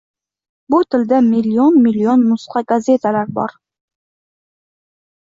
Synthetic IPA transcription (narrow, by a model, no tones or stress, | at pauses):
but̪ʰɪld̪æmilːionmilionːusqɑɡazet̪ʰælaɾbɒ̰ɾ